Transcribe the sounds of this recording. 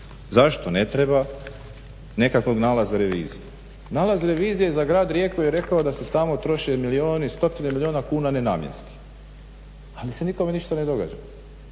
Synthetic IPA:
zaʃt̪o̞ne̞t̪ɾeba | ne̞kakʋoɡnaːlˠazaɾe̞ʋḭːzije | naːlazɾe̞ʋiːzijezaɡɾaːd̪ɾje̞kojeɾe̞kaod̪ase̞t̪amo̞t̪ɾo̞ʃe̞milioːnist̪o̞t̪inemilioːnakuːnanena̰ːmjḛnski̥ | alise̞niko̞me̞niʃt̪ane̞d̪o̞ɡa̰d͡ʒa

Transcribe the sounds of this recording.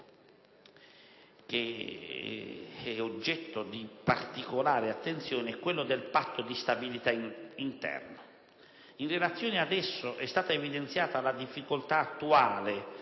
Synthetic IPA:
k̟e | ɛod͡ʒːɛt̪ːod̪ipa̰rt̪ikolaːɾeat̪ːent̪sjoːneɛkːwelːod̪elpat̪ːod̪ist̪abilit̪aint̪ɛ̰rno | inrelat̪sːjoːnead̪ɛsːoʔɛst̪aːt̪aevid̪ent̪sjaːt̪alad̪ifːikolt̪aːt̪ːuaːle

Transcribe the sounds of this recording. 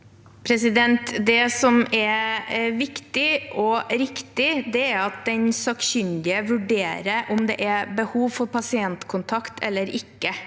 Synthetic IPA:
pʰɾɛsɪd̪ɛnt̪d̪ɛsɔmɛʋɪkt̪ɪɔɾɪkt̪ɪd̪ɛæɾɑt̪̚d̪ɛnsɑksʏnd̪ɪəʋʉɖeːɾəʔɔmd̪ɛ̰ʔɛbəhuːʋfɔɾpʰɑsɪɛnt̪kʰʊnt̪ʰɑkt̪ʰɛ̰lːəɾɪkːə

